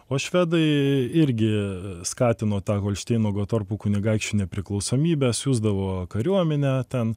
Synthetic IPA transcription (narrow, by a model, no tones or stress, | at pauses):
oːʃʲʋʲæːd̪ɐɪɪɾʲɡʲɪskɑːt̪ʲɪnoːt̪ɑːkoːlʲʃʲt̪ʲɛɪnoːɡoːt̪orpukʊnʲɪɡɐɪkt͡ʃʲunʲɛpʲɾʲɪklˠɒʊsoːmʲiːbʲɛsjuːzd̪ɐʋoːkɐɾʲuɔmʲɛnʲɛːt̪ʲɛn